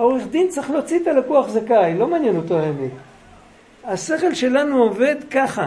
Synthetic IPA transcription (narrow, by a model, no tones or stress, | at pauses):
ao̞ʁeχd̪int͡saχlo̞t͡sit̪alakuaχzakajlo̞maːnjenot̪oeni | ase̞χe̞lʃe̞lanuove̞d̪kaχa